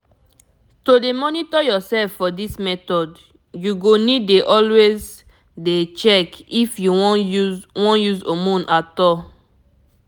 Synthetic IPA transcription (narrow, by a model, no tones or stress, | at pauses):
todemɔnitɔjɔsɛlfːɔdismɛtɔd | juɡonideʔɔlwez | det͡ʃɛkifjuwɔ̃uwɔ̃njuzomũnʔatɔ